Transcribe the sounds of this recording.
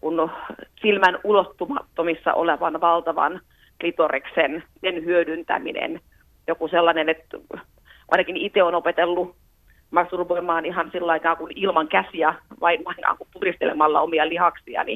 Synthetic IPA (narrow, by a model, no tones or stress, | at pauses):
kunsilmænulot̪ːumɑt̪ːomisːɑ̰ʔo̰leʋɑnʋɑlt̪ɑʋɑ̰n | lit̪oriksensenhyødynt̪æ̰mḭnḛn | jokuselːɑnenet̪ | ʔɑ̰inɑkinit̪eonopet̪elːu | mɑksurupoimɑːniɦɑnsilːɑikɑːkunilmɑŋkæsiæʋɑinɑiŋkɑ̰ːŋkumt̪urist̪elemɑlːɑ̰omiɑlihɑksiɑ̰nḭ